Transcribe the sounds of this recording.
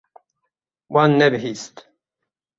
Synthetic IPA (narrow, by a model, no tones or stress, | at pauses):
wanːɛbɦist̪